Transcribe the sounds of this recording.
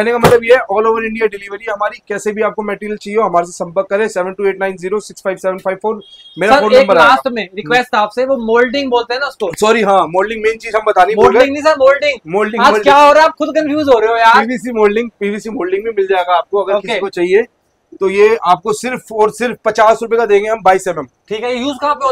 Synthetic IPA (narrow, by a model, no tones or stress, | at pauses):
kɛɦnekamɐt̪ləbjeɦɛʔɔːloːʋəɾɪ̃ɳɖijaɖɪliʋəɾiɦɐmaːɾikɛːsebʱiaːp̚komɛːʈiɾiəlt͡ʃaːɦieoːɦɐmaːɾes̬esɐ̃mpəɾkːɐɾẽːsɛːʋə̃nʈuːeːʈnãːɪ̃nziːɾosɪksfʰaɪʋsɛːʋə̃nfʰaɪʋfoːɾmeːɾaɐoːlẽːŋbɐnaaːst̪mẽɾɪkʋɛːsʈaːpseʋomoːlɖɪ̃ŋɡboːlt̪ẽɦɛ̃naʊskosɔːɾiɦãːmoːlɖɪ̃ŋɡmẽːnt͡ʃiːzɦɐ̃mbɐt̪aːniboɡeɪ̃ŋɡnĩsɐɾmoːlɖɪ̃ŋɡmoːlɖɪ̃ɡamoːlɖkjaːɦoːɾɛaːpxʊd̪kɐ̃nfjuːzɦoːɾɐeojaːɾiːbiːsimoːlɖɪ̃ŋɡpiːbʱiːsimoːlɖɪ̃ŋɡbʱĩmɪld͡ʒaeːɡaːp̚koɐɡəɾːkɪkikot͡ʃaːɦie | t̪ojeaːp̚kosɪɾfɔːɾsɪɾfpɐt͡ʃaːsɾʊp̬ekad̪eːŋɡẽɦɐmbaːisɛːʋən | ʈʰiːkɦɛjejuːzkaːpeo